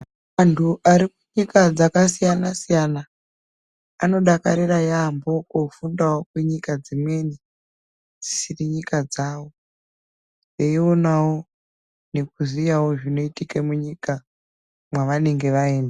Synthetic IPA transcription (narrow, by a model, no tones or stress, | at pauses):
mantʰuʔaɾikuɲikad͡zakasijanasijana | no̞ɗakaɾirajambo̞kofundawokweɲikad͡zimwe̞ni | d͡zisiriɲikad͡zaːwo̞ | neio̞nawo | ne̞kuzijawo̞ʐino̞itikemuɲika | mwaʋane̞ŋɡe̞ʋaeːnda